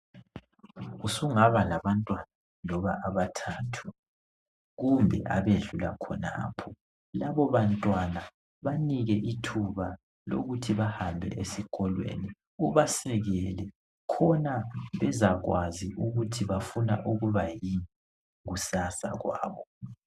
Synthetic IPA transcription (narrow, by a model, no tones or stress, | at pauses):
usuŋaβalaβantʼwana | lɔβaʔaβatʰaːtʰu | ɣumbʱɛ̰ʔaβeɮula̰kʰɔna̰ːpʰɔ | laβɔβantʼwana | βaniɣɛʔitʰuβa | lo̰ɣutʰiβahambʱɛ̰ʔesiɣʰʼɔlwḛni | uβasɛɣɛlɛ | kʰɔnaβɛzaɣwaziʔuɣutʰiβafuna̰ʔuɣuβajiɛ | ɣusasa̰ɣwa̰ːβɔ